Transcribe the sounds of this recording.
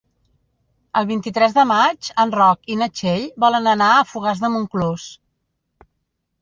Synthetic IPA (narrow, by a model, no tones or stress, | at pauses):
əlˠβint̪it̪ɾɛzðəmad͡ʒənrɔkinət͡ʃeʎbɔlənənaəfuɣ̞azðəmuŋklos